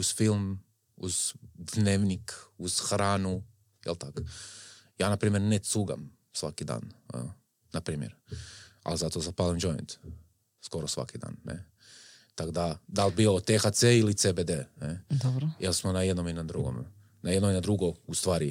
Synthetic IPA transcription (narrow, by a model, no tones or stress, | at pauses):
uz̥filˠm | ṵzd̪neːʋnikuz̥xɾaːnu | jelˠt̪ak | jaːnapɾiːmjeɾnesuɡa̰m | sʋakid̪a̰ːn | napɾiːmjḛɾa̰lizat̪ozapalimd͡ʒoj̰nt̪ | sko̞ɾosʋa̰kid̪a̰ːnːḛ | t̪akod̪ad̪albiot̪exat̪seilit̪sebed̪ened̪ɔbɾojelsmonajed̪nominad̪ɾuɡo̰m | naje̞d̪noinad̪ɾuɡoust̪ʋaːɾi